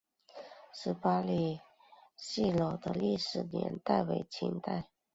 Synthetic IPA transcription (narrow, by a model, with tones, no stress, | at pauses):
ʂɻ̩˧˥pa˥li˥˩ | ɕi˥˩lo˨˩ʊd̪ə˦li˥˩ʂɻ̩˨˩njɛ̰˧˥nt̪a˥˩ɪwe˧˩ɪt͡ɕʰḭ˧˥ŋt̪a˥˩ɪ